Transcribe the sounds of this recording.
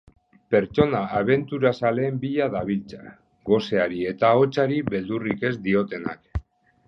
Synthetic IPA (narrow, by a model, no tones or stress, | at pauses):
pe̞ɾt͡ʃo̞naːβ̞e̞nt̪uɾasale̞ːmbiʎaðaβilt͡sḁ̰ | ɡo̞se̞aɾie̞t̪ao̞t͡saɾiβe̞ld̪urike̞zd̪io̞t̪e̞na̰k